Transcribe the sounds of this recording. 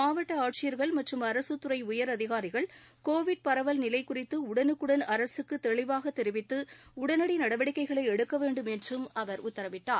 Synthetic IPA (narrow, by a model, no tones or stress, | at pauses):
maːʋɐʈːɐaːʈ̚t͡ʃɪjɐɾɣɐɭmɐʈrɯmɐɾɐsɯt̪ːʊɾɐɪʊjɐɾɐðɪɣaːɾɪɣɐɭkoːʋɪɖ̚pɐɾɐʋɐlnɪlɐɪkːʊrɪt̪ːɯʊɽɐnɯkːɯɽɐnɐɾɐsɯkːɯt̪ɛɭɪʋaːɣɐt̪ːɛɾɪʋɪt̪ːɯʊɽɐnɐɽinɐɽɐʋɐɽɪkːɐɪɣɐɭɐɪɛɽɯkːɐʋeːɳɖɯmɛndrɯmɐʋɐɾʊt̪ːɐɾɐʋɪʈːaː